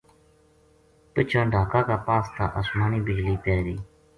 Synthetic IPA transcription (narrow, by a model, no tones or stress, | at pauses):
pɪt͡ʃʰə̃ːɖʱaːkãːkaːpaːst̪ʰa̰ːʔəsmaːniːbɪd͡ʒliːpɛːɾiː